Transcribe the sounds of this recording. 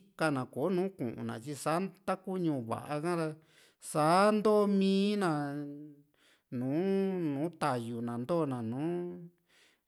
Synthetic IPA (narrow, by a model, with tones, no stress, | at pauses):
ka˧nã˨ko˨˦nũː˨˦kṵ̃˨ʔṵ̃˨nã̰˨t͡ʃi˧sa˨˦t̪a˦ku˦ɲũ˧˨βa̰˨ʔa˧kã˦ɾa˧ | saː˨˦nd̪o˦˧mĩː˦nã˧˨ | nũː˨˦nũː˨˦t̪a˨ju˨nã˨nd̪o˦˨nã˨nũː˨˦